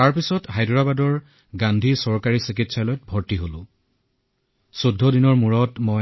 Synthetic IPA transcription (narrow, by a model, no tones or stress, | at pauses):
taɹpisɔtɦajdɹabadɔɹ | ɡandʱisɔɹkaɹisik̬itsalɔjɔt̚bʱɔɹtiɦolʊ̃ | sodʱːɔdinɔɹmuɹɔtmo